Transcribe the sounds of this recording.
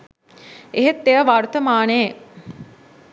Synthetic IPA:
eɦet̪ːeəʋaɾut̪əmaːne

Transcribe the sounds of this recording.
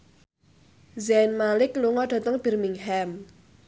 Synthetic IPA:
zɛnmalɪkluŋɔɖ̥a̤t̪əŋb̥ɛ̤rmiŋhɛm

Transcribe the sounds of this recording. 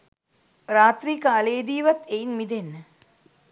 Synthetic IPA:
ɾaːt̪ɾiːkaːleːd̪iːʋat̪einmid̪enːə

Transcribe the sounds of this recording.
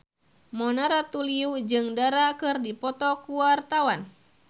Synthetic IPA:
mɔnaɾat̪uliud͡ʒɨŋdaɾakɨrdipɔt̪ɔkuwart̪awan

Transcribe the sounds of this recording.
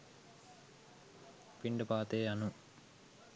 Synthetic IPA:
piɳɖəpaːt̪eːanu

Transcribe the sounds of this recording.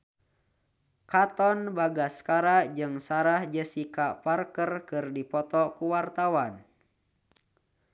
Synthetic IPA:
kat̪ɔnbaɡaskaɾad͡ʒɨŋsaɾahd͡ʒəsikaparkərkɨrdipɔt̪ɔkuwart̪awan

